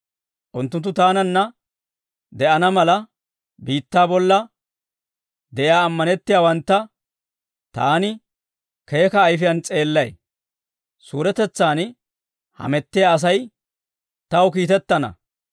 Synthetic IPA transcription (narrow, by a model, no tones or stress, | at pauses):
ʔʊnt̪ːʊnt̪ːʊt̪aːnɐnːɐ | d̪ɛʔɐnɐmɐlɐ | biːt̪ːaːbɔlːɐ | d̪ɛʔjaːɐmːɐnɛt̪ːɪjaːwɐnt̪ːɐ | t̪aːnɪ | ke̞ːkɐːjfɪjɐnt͡sʼe̞ːlːɐj | suːɾɛt̪ɛt͡sːaːn | hɐ̰mɛt̪ːɪjaːs̬ɐj | t̪ɐwkiːt̪ɛt̪ːɐnɐ̰